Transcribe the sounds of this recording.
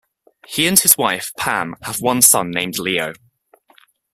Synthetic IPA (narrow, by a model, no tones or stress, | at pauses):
hiə̃n̥ɪzwaɪfpʰã̰məvwʌ̃nsʌ̰̃nːẽɪ̃mdˡliːəʊ